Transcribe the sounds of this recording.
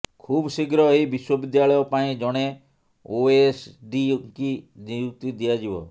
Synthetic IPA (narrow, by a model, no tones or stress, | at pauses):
kʰuːbsiɡɾɔeibiswɔbid̪jaɭɔjɔpaĩd͡ʒɔɽ̃e | oesɖiŋkinijuk̚t̪id̪iad͡ʒibɔ̰